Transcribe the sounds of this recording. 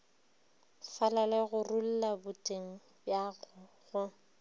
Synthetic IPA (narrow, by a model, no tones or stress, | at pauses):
falalɛɣʊrul̩labʊtʼeŋ̩ | bjaɣʊ | ɣʊ